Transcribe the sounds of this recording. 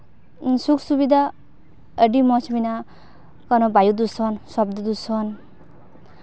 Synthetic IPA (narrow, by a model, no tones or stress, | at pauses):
sukʰsubid̪ʱa | əɖimʌt͡sʰmina | kʌnʌbʱajud̪usʌnsʌbd̪ʌd̪usʌn